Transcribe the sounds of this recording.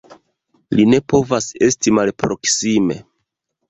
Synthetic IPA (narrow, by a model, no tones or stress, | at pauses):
line̞po̞vase̞stimalpɾo̞ksime̞̰